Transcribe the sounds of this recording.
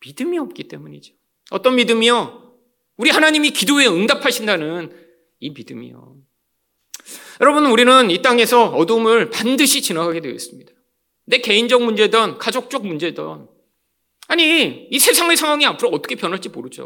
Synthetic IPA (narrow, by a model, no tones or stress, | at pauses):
midɯmiʌp̚k͈it͈e̞muɲid͡ʑo | ʌt͈ʌnmidɯmio | uɾihanaɲimikidoe̞ɯŋdapʰaɕʰindanɯn | imidɯmḭjo̰ | jʌɾʌbunnuɾinɯnit͈aŋe̞sʰʌʌdomɯɭpandɯɕʰit͡ɕinaɡaɡe̞dweḭs͈ɯmɲid̥a | ne̞ke̞ind͡ʑʌŋmund͡ʑe̞dʌnkad͡ʑok̚t͡ɕ͈ʌk̚mund͡ʑedʌ̰n | aɲiisʰe̞sʰaŋesʰaŋɦwaŋiapʰɯɾoʌt͈ʌ̥kʰe̞pjʌnɦaɭt͡ɕ͈imoɾɯd͡ʑo̰